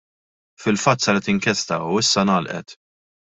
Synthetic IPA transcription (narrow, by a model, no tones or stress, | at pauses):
fɪlfɐt̪ːsɐɾɛt̪ɪŋkɛst̪ɐuɪsːɐnɐːlʔɛ̰t̪